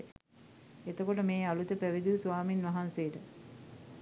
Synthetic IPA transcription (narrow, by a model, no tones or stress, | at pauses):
et̪əkoʈ̬əmeːalut̪əpæʋid̪isuʋaːminʋaɦansejəʈə